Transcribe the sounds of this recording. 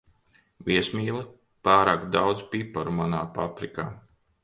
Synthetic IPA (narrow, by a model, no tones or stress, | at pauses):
vʲiɛsmʲiːlˠɨ | paːɾaːkd̪awd̪zpipaɾumanaːpapɾika̰ː